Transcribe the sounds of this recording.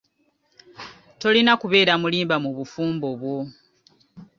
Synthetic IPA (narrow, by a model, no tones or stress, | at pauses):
to̞linakuβe̞ːɾamuliːmbamuβufuːmbo̞βwo̞